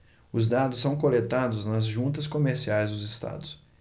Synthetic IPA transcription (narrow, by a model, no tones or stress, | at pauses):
ʊzd̪ad̪ʊsːɐ̃w̃kolet̪ad̪ʊznɐzʒũnt̪ɐskomeɾsiajzd̪ʊzɪst̪a̰d̪ʊs